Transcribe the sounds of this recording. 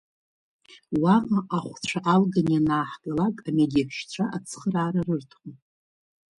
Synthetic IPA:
waqaʔaχʷt͡ɕʷʰaʔʼalɡanjanaːħɡalakʼamediaħʰʃt͡ɕʷʰaʔat͡sʰχəraːɾarɨrtʰχʊm

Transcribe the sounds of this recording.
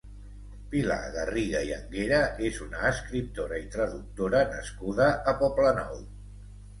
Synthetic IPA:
pila̰ɣəriɣaiə̰ŋɡeɾəezunəːskɾip̚t̪oɾəit̪ɾəðuk̚t̪oɾənəskuð̞əʔːpɔplənɔ̰w

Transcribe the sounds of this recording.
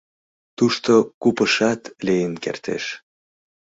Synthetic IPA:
t̪uʃt̪okupəʃɑt̪lejənkḛrt̪ḛʃ

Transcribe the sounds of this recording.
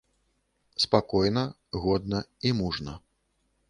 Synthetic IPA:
spakɔjnɐ | ɣɔd̪̚nɐimuʐnɐ

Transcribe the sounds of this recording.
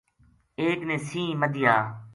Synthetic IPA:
eːknẽːsĩːməd̪ʱɪjaː

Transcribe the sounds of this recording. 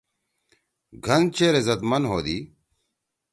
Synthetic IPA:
ɡʱɐnt͡ɕeɾezɐt̪mɐnɦoːd̪i

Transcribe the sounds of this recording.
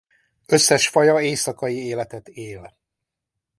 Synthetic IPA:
øsːɛʃfɒjɒeːsɒkɒjieːlɛt̪ɛt̪eːl

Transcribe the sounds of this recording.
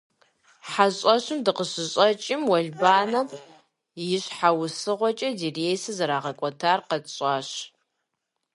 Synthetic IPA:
ħaɕʼɐɕʊmdɨqəɕɪɕʼɐt͡ʃʼɪmwɐɮbaːnɐ | jɪɕħawʊsɨʁʷɔt͡ʃʼɐdirejsɨzɐɾaːʁɐkʷʼɔtʰaːrqɐtʼɕʼaːɕ

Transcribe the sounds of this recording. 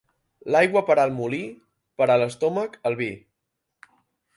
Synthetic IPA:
lajɣwəpəɾalˠmuli | pəɾaləst̪oməkəlˠβi

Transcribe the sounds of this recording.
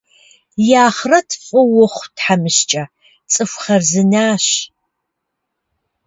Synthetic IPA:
jaːχrɐtʰfʼʊwʊχʷtħamɨɕt͡ʃʼɐ | t͡sʼɨfʷχɐrzɨnaːɕ

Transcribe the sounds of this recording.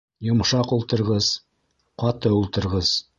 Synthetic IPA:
jʊmʃɑqulˠt̪əɾʁəz̥ | qʰɑt̪əulˠt̪əɾʁəz̥

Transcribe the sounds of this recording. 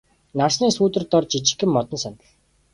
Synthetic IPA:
narsniːsuːt̪ɘ̆rt̪ɔrt͡ɕit͡ɕɪ̆kːɘ̆mːɔt̪ɞ̆nsɔnə̆ɮ

